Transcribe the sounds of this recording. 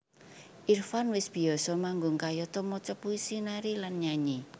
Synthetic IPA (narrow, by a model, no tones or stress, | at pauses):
ʔirfanwɪsb̥i̤ɔsɔmaŋɡʊŋkajɔt̪ɔmɔt͡ʃɔpuisinaɾilanɲaɲi